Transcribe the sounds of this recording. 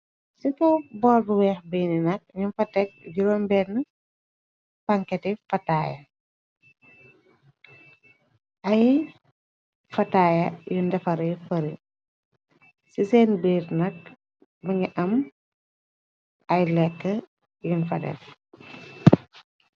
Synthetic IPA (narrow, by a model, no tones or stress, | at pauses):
sikɐbɔːlbuwɛːxbijninɐk̚ɲunfɐtɛk̚ɟuɾɔːmbɛːnə | pɐŋkɛtifɐtaːjɐ̰ | ʔɐj | fɐtaːjɐjundɛfɐɾɐjfɐɾi | sisɛːnbiːɾnɐk̚ | bɐŋiʔɐm | ɐjlɛkːə | junfɐ̰dɛ̰f